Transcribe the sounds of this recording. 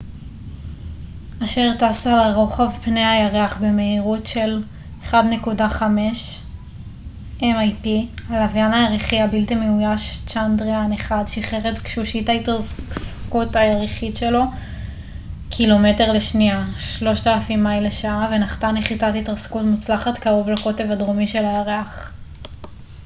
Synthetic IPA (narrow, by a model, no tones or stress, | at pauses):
aʃe̞ʁtasaʁo̞χavpneajaʁeaχbeme̞iʁutʃe̞l | eχadne̞kudaχame̞ʃ | ʔemajpialavjanajaʁiχiabilt̪imeujaʃt͡ʃandʁianeχadʃiχeʁetkʃuʃitaitʁasskutajaʁiχitʃe̞lo̞ | kʰilo̞me̞te̞ʁleʃniaʃlo̞ʃtalafimːajmleʃaave̞naχtaneχitatitʁaskutmut͡slaχatkaʁo̞vlako̞te̞vadʁomiʃe̞lajaʁeaχ